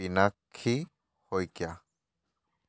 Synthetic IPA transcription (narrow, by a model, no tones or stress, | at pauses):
inakʰːi | hojkja